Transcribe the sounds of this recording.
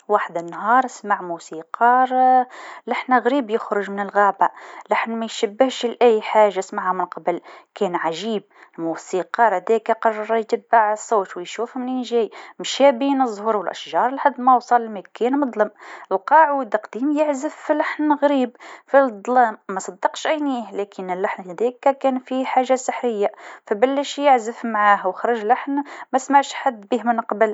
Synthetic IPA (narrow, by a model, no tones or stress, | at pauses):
waːħd̪ənːhɑːɾˤsmaʕmusiːqɑɾˤ | laħnɣɾiːbjəxɾʊʒmɪnəlɣaːbalaħnmæjʃæbːəhʃlʔæjħaːʒasmaʕamənqɑbəlkɛːnʕaʒiːb̚lmusiːqɑɾhæd̪ɛkaqɑrˤːɑɾˤjt̪əbːaʕsˤːoːt̪wəjʃuːfhʊmninʒæːjmʃæbinəzˤːhuɾwəlʔæ̰ʃʒɑɾˤəlħad̪ːmæwsˤɑllmækænmʊd̪ˤlɑmʔəlqɑʕwəd̪ɑqd̪iːmjəʕzəfːilaħnɣɾiːbfid̪ˤlɑmːæsˤɑd̪ːɑqʃʔæjniːhlækʰənəlːaħnhæd̪ækːækænfiħaʒːasˤəħɾəjːafæbəlːəʃjəʕzəfmaʕahwəxɾˤɑʒlaħnmæsmaʕʃħad̪ːbiːhmənqɑbəl